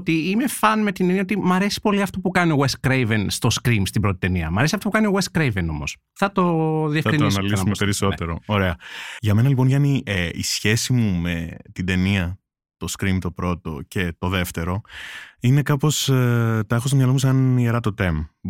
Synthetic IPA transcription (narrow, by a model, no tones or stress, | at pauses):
ot̪iime̞fɐnme̞t̪ineniɐot̪imɐɾe̞si̥po̞liɐft̪opukɐnio̞ɣweskɾejvenst̪o̞skɾimst̪ibɾo̞t̪i̥t̪e̞niɐ̰mɐɾesiɐft̪opukɐnioweskɾejveno̞̰mo̞̰s | θɐt̪o̞ðiekɾinsɐsnɐliumpeɾiso̞t̪eɾo̰oɾe̞ɐʝɐme̞nɐlipo̞nʝɐnieisçe̞simume̞t̪id̪e̞niɐ | t̪o̞skɾimt̪o̞pɾo̞t̪o̞̰ce̞t̪o̞ðe̞ft̪e̞ɾo̞ine̞kɐpo̞st̪ɐexos̬omɲɐlomuseɐnieɾɐt̪o̞t̪e̞m